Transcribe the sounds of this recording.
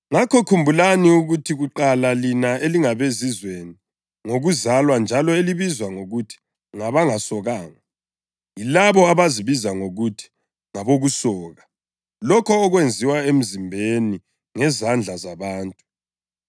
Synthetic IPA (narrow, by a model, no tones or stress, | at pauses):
ŋakʰɔkʰumbʱulaniuɣutʰiɣuǃalalinaeliŋaβezizweni | ŋoɣuzalwand͡ʒʱalɔeliβizwaŋoɣutʰi̥ | ŋaβaŋasɔɣaːŋa | jilaβɔaβaziβizaŋoɣutʰi̥ | ŋaβoɣusɔːɣa | lɔkʰɔːɣwend͡zʱiwaem̩zimbʱeni | ŋɛzand͡ɮʱazaβaːntʼu̥